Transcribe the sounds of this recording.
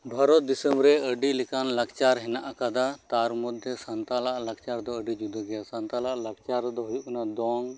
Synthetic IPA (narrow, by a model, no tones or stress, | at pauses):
bʱaɾɔt̪̚d̪isəmbɾɛəɖilɛkanlaɡt͡ʃaɾɦɛnaʔakad̪at̪aɾmɔd̪ʱjɔsant̪alaʔlaɡ̚t͡ʃaɾd̪ɔəɖid͡ʒud̪ɔɡɛjasant̪alaʔlaɡ̚t͡ʃaɾd̪ɔɦujuʔkɔnad̪ɔŋ